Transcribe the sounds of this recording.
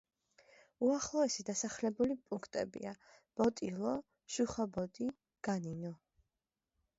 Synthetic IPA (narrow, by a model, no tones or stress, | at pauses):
uaχlˠɔɛsid̪asaχlɛbulipʼuŋkʰt̪ʼɛ̰bḭab̥ɔt̪ʼilˠɔ | ʃuχabɔt̪ʼi | ɡ̥aninɔ